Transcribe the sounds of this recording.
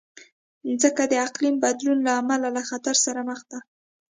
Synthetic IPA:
zəkad̪əaqlimbad̪lunlaːmalalaxat̪aɾsaɾaməxd̪a

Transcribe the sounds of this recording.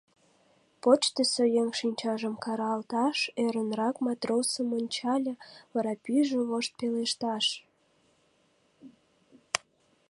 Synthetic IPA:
pot͡ɕt̪əsojeŋʃinʲt͡ɕɑʒəmkɑɾɑːlt̪ɑʃeɾənrɑkmɑt̪rosəmonʲt͡ɕɑlʲeβɑɾɑpyʒəβoʃt̪̚peleʃt̪ɑʃ

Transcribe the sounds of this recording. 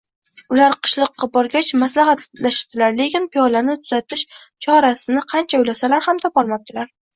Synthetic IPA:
ʊlaɾqʰɨ̥ʃlˠɨqːɑbɒɾɡʲat͡ʃmaslaɦat̪laʃɪ̥p̚d̪̥ɪlaɾle̞kʲɪnpijɒlanɪt̪ʰʊz̥at̪ɪʃ | t͡ʃʰɒɾasɪnɪqʰɑnt͡ʃʰaʊjlasalaɾhamt̪ʰɒpɒlˠmap̚t̪ʰɪlaɾ

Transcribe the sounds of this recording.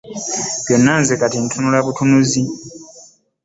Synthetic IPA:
βjo̞nːanzekatintʰunulaβutʰunuzi

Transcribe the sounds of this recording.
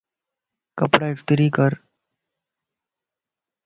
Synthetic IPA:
kəpɽaɪʈt̪ɾiːkəɾ

